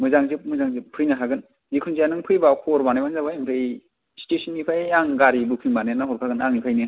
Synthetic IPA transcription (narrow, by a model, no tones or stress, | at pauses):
mɯzaŋzɯp̚mɯzaŋzɯp̚pʰːɯɾijnɯɦʰaɡɯn | zikʰɯnzijanɯŋpʰɯjbakʰɔɾbanajbanzabajmpʰɯj | si̥tesʰɔnːipʰajaŋɡaɾibɯkʰɯŋbanajnaɦɔɾkʰaɡɯnaŋnipʰajnɯ